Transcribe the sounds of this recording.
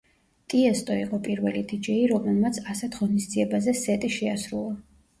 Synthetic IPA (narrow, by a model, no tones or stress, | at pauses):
t̪ʼiɛst̪ʼɔiqʼɔpʼiɾvɛlid̪id͡ʒɛiɾɔmlɛlmat̪sʰasɛt̪ʰʁɔnisd̪ziɛbazɛsɛt̪ʼiʃɛasɾulˠa